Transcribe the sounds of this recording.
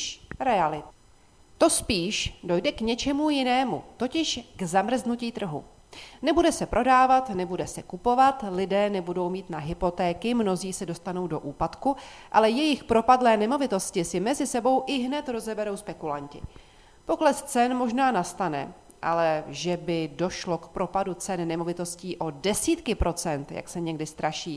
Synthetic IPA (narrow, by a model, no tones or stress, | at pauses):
ʃɾɛalɪt̪ | t̪o̞spiːʃdo̞jdɛkɲɛt͡ʃɛmujɪnɛːmṵt̪o̞cɪʃɡzamr̩znuciːt̪r̩ɦṵ | nɛbudɛsɛpɾʔo̞daːvat̪nɛbudɛsɛkupo̞vat̪lɪdɛːnɛbudo̞wmiːt̪naɦɪpo̞t̪ɛːkɪmno̞ziːsɛdo̞st̪ano̞wdo̞ʔuːpat̪ku | ʔalɛjɛjɪxpɾo̞padlɛːnɛmo̞vɪt̪o̞scɪsɪmɛzɪsɛbo̞wʔɪɦnɛt̪ɾo̞zɛbɛɾo̞wspɛkulaɲcɪ̰ | po̞klɛst͡sɛnmo̞ʒnaːnast̪anɛ̰ | ʔa̰lɛʒɛbɪdo̞ʃlo̞kpɾo̞padut͡sɛnnɛmo̞vɪt̪o̞sciːʔo̞dɛsiːt̪kɪpɾʔo̞t͡sɛnt̪ja̰ksɛɲɛɡdɪst̪ɾaʃiː